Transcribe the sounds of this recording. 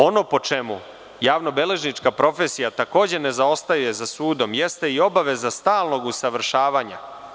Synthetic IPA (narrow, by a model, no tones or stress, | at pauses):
o̞no̞po̞t͡ʃe̞mu | jaːʋno̞bele̞ʒnit͡ʂkapɾo̞fe̞sijat̪ako̞ːd͡ʑe̞ne̞zao̞st̪ajuje̞zasuːd̪o̞mje̞st̪e̞io̞baʋe̞zast̪aːlˠno̞ɡusaʋr̩ʃaːʋaːɲa̰